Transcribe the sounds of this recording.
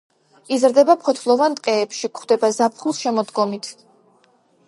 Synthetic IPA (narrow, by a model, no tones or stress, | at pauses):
izɾd̪ɛbapʰɔt̪ʰlˠɔvanʼqʼɛːpʃikχwd̪ɛbazapʰχulˠʃɛmɔd̪ɡɔmit̪ʰ